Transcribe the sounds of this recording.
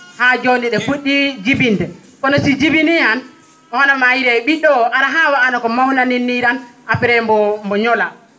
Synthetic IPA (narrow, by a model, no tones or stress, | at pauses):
had͡ʒondiɗɛfuɗid͡ʒibintɛ | kɔnɔsid͡ʒibinihan | ɔhɔnamajiɾɛɓiɗɔaɾaɦawaʔanakɔmawnaninːiɾanapɛɾɛmbɔmbɔɲɔla